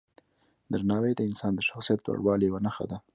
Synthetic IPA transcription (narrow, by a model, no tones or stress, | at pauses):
d̪əɾnɑwed̪əɪnsɑnd̪əʃaxsijat̪wa̰ɽwɑlewanaxa̰d̪a